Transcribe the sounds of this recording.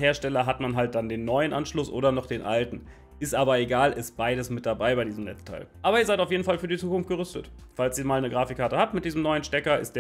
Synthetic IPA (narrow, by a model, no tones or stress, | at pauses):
ɦeːɐʃtɛlɐɦatmanɦalt̚d̥andeːnːɔʏənʔanʃlʊsʔo̰ːdɐnɔχd̥eːnʔa̰ltn̩ | ʔɪstʔaːbɐeɡaːlɪst̚b̥aɪɾəsmɪt̚d̥abaɪbaɪdiːzəmnɛt͡stʰa̰ɪlʔaːbɐiɐzaɪtaʊfjeːdn̩falfyːɐdit͡suːkʊnftɡ̥əʁʏstə̰t | falsiːɐmaːlnəɡʁaːfɪkːaɐtəhaːp̚tmɪtd̥iːzəm̩nɔʏənʃtɛkɐʔɪ̰st̚d̥eː